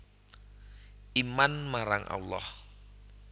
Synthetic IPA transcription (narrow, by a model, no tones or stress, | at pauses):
ʔimanmaɾaŋʔa̰lːɑ̰h